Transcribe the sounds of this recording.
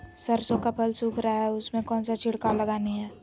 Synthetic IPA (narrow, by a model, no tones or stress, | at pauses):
səɾsõkapʰəlsuːkʰɾaaɦɛʊsmẽkɔːnsat͡ʃʰɪɽkaɾlɐɡaːniɦɛː